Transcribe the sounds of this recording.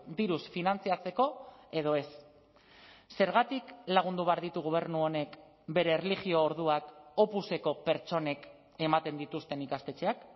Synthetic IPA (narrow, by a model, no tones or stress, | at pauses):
d̪iɾusfinant͡siat͡se̞ko̞e̞ð̞o̞e̞s | e̞ɾɣat̪iklaɣ̞und̪uβeaɾðit̪uɣoβ̞e̞ɾnuo̞ne̞k | be̞ɾe̞ːreliɣio̞ːɾð̞uako̞puse̞ko̞pe̞ɾt͡ʃo̞ne̞k | e̞mat̪e̞nd̪it̪ust̪e̞nikast̪e̞t͡ʃe̞ak